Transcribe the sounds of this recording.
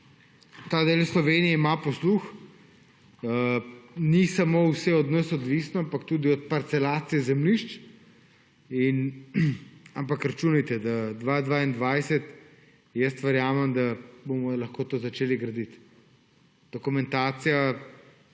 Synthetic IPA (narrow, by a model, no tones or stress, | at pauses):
t̪aːd̪elslɔʋeːnijɛimapɔslux | nisamowsɛɔd̪nəsɔd̪ʋisnɔampakt̪uːd̪iɔt̪̚paɾt̪sɛlaːt̪sijɛzɛmliʃt͡ʃ | in | ampakɾat͡ʃuːnit̪ɛd̪ad̪ʋad̪ʋaːind̪ʋajsɛt̪ | jəst̪ʋɛɾjaːmɛmd̪abomɔlɐxkoːt̪oːzɐt͡ʃeːliɡɾɐd̪it̪ | d̪̥ɔkumɛ̃nt̪aːsija